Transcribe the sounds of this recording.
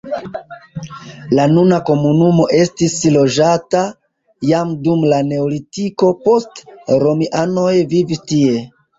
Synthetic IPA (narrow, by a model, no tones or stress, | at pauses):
lanunako̞munumo̞ʔe̞stislo̞d͡ʒata | jamdumlane̞olitiko̞po̞stɾo̞miʔano̞jvivistie̞